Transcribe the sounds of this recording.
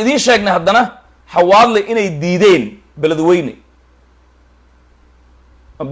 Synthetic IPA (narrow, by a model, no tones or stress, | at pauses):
ɪðiːnʃɛːɡnɐhɐd̪ɐnɐ | ħɑwaːd̪lɛʔɪnɛjd̪iːðɛːn | bɛlɐðwɛjnɛ̰